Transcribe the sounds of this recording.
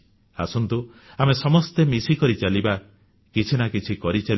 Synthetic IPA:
a̰sɔnt̪u | amesɔmɔst̪emisikɔɾit͡ʃaliba | kit͡ʃʰinakit͡ʃʰikɔɾit͡ʃal

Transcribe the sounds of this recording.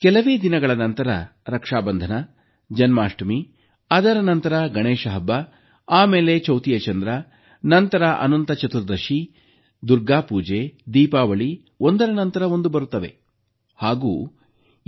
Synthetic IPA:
kɛlɐʋeːd̪inɐɡɐɭɐnɐnt̪ɐɾɐ̰ɾɐkʂaːbɐnd̪ʱɐnɐ | d͡ʒɐnmaːʂʈɐmi | ɐd̪ɐɾɐnɐnt̪ɐɾɐɡɐɳeːʂɐɦɐbːɐ | aːmeːlet͡ʃɐwt̪ijɐt͡ʃɐnd̪ɾɐ | nɐnt̪ɐɾɐʔɐ̰nɐnt̪ɐt͡ʃɐt̪uɾd̪ɐʃi | d̪uɾɡaːpuːd͡ʒed̪iːpaːʋɐɭi | o̞nd̪ɐɾɐnɐnt̪ɐɾɐo̞nd̪ubɐɾut̪ːɐʋe | haːɡuː

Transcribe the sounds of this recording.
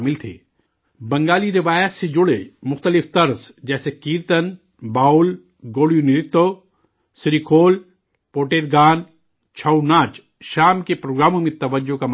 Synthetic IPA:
mɪlt̪ʰḛː | bɐ̃ŋɡaːliɾɪʋaːjət̪sed͡ʒʊɽemʊxt̪əlɪft̪ɐɾzd͡ʒɛːsekiːɾt̪ən | baːʊl | ɡoːɽijunɪɾɪt̪ːo | sɪɾikʰoːl | poːʈeːɾɡaːn | t͡ʃʰɐunaːt͡ʃ | ʃaːmkepɾoːɡɾaːmõmẽt̪ɐʋəd͡ʒokam

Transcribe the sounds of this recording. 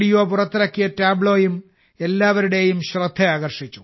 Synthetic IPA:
ɽijoːpurɐt̪ːiɾɐkːijɐtaːbɭo̞ːjum | e̞lːaːʋɐɾuɽe̞jumɕrɐd̪ʱːɐaːɣɐrʂit͡ɕːu

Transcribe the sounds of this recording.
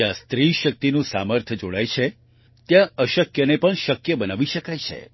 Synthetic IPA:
ãst̪ɾiʃək̚t̪inũsaməɾt̪ʰəd͡ʒoɽajt͡ʃʰe | t̪jãəʃəkjənepəɳʃəkjəbənaʋiʃəkajt͡ʃʰḛ

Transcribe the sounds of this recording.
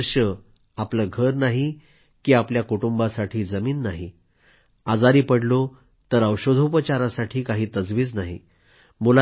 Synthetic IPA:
ɾɕə | apləɡʱəɾnaɦi | kiːapljakuʈumbasaʈʰiːd͡zəmiːnːaɦi | ad͡zaɾiːpəɽlo | t̪əɾəwɕod̪ʱopət͡ɕaɾasaʈʰiːkaɦiːt̪əd͡zʋiːt͡snaɦḭ | mula

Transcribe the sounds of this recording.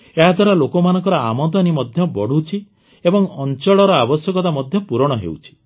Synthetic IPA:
eɦad̪ʱwaɾalokɔmanɔ̃ŋkɔɾɔa̰mɔt̪ɔnimɔd̪ʱjɔbɔɽ̤ut͡ʃʰi | ebɔŋɔnt͡ʃɔɭɔɾɔabɔsjɔkɔt̪amɔd̪ʱjɔpuɾɔɽ̃ɔɦḛwt͡ʃʰi̥

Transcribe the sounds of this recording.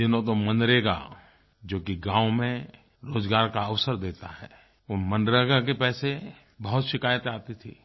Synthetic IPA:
d͡ʒɪnõt̪̬omə̃nd̪ɾeɡa̰ | d͡ʒoːkiɡãːwmẽ | ɾoːd͡ʒɡaːɾkaɐʋsəɾd̪eːt̪aɦɛː | omə̃nd̪ɾeɡak̬epɛːse | bəɦʊt̪ʃɪkaːjət̪aːt̪it̪ʰḭː

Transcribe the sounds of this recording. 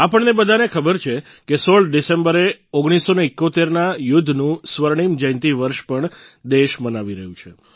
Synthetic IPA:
apəɳnebəd̪ʱanekʰəbəɾt͡ʃʰe | kesoɭɖisembəɾeoɡɽ̃isːoneɪkːot̪eɾnajʊd̪ʱːnũsʋəɾɳ̃imd͡ʒə̃jnt̪iʋəɾʃpəɳd̪eʃmənaʋiɾə̰ɦũt͡ʃʰe

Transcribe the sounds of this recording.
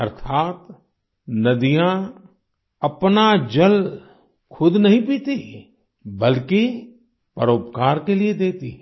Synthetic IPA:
ɐɾt̪ʰaːt̪ | nɐd̪ijã | ɐpnad͡ʒɐl | kʰʊd̪nɐɦĩpiːt̪i | bəlki | pəɾoːpkaːɾkelied̪eːt̪ḭ

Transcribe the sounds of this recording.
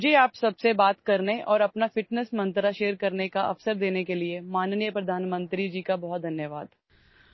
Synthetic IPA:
d͡ʒʱeaːpsɐbsebaːt̪kɐɾneʔɔːɾɐpnafɪʈnəsmɐ̃nt̪ɾaʃeːɾkɐɾnekaʔɐfsəɾd̪eːnekeliemaːnnijəpɾɐd̪ʱaːnmə̃nt̪ɾid͡ʒiːkabɐɦʊt̪̚d̪ʱɐnjəʋaːd̪

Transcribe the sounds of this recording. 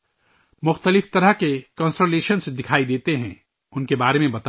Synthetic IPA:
mʊxt̪əlɪft̪ɐɾəɦkekə̃nsʈəleːʃənsd̪ɪkʰaːid̪eːt̪eɦɛ̃ | ʊnkebaːɾemẽbɐt̪

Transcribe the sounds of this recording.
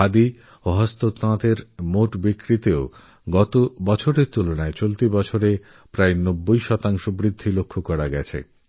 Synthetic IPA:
ad̪i | oɦɔst̪ot̪ãt̪eɾmoʈbikɾit̪eo | ɡɔt̪obɔt͡ɕʰoɾeɾt̪ulonaet͡ɕolt̪ibɔt͡ɕʰoɾe | pɾaenobːojʃɔt̪aŋʃobɾid̪ʱːilokʰːokɔɾaɡɛt͡ɕʰḛ

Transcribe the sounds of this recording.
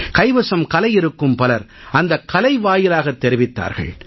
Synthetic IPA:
kɐɪʋɐsɐmkɐlɐɪjɪɾɯkːɯmpɐlɐɾ | ɐnd̪ɐkːɐlɐɪʋaːjɪlaːɣɐt̪ːɛɾɪʋɪt̪ːa̰ːɾɣɐ̰ɭ

